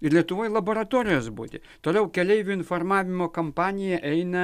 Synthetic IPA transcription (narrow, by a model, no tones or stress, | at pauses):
ɪɾlʲiɛt̪ʊʋoːjlˠɐboːɾɐt̪oːɾʲɪjoːsbṵːd̪ʲɪ̰ | t̪oːlʲɛʊkʲɛlʲɛɪʋʲʊɪnfoːrmɑːʋʲɪmoːkɐmpɑːnʲɪjɛʔɛɪnɐ